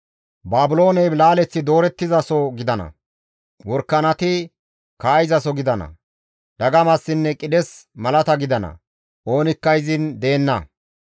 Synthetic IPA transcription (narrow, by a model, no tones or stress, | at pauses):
baːbʊlo̞ːnɛjlaːlɛt͡sːɪd̪o̞ːɾɛt̪ːɪzɐsɔɡɪd̪ɐnɐ̰ | wɔɾkːɐnɐt̪ɪ | kaːjɪzɐsɔɡɪd̪ɐnɐ̰ | d̪̥ɐɡɐmɐsːɪnːɛkʼɪd̪ɛsmɐlɐt̪ɐɡɪd̪ɐnɐ̰ | o̞ːnɪkːɐɪzɪnd̪e̞ːnːɐ̰